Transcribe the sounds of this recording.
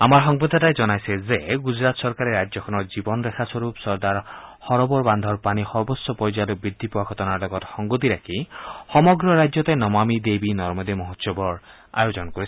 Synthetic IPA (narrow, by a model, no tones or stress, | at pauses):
amaɾɦɔŋbɔd̪ʱɔtajd͡ʒɔnajsʰezeɡud͡ʒɾat̪sɔɾkaɾeɾajɔkʰɔnɔd͡ʒibɔnɔɾekʰaswɔɾupsɔɾd̪aɾhɔɾɔbɔɾband̪ʱɔɾpanihɔɾbɔsːɔpɔɾjd͡ʒalɔbɾid̪ʱːipɔwaɡʱɔt̪ɔnaɾlɔɡɔt̪hɔŋɡut̪iɾakʰihɔmɔɡɾɔɾajd͡ʒjɔt̪ejnɔmamid̪ebinɔɾmɔd̪imɔɦɔt̪sɔbɔɾ | a̰jod͡ʒɔnɔkɔɾii̥